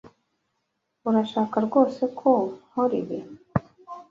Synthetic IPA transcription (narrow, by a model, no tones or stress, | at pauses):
uɾaʃaːkaɾɡo̞ːse̞kʰohoɾḭβi